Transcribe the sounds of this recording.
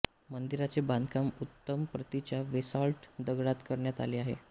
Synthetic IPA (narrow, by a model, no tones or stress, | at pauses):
mənd̪iɾat͡sebãnd̪kamut̪ːəmpɾət̪it͡ɕjaʋesɔlʈd̪əɡɽat̪kəɾɳjat̪a̰liːaɦḛ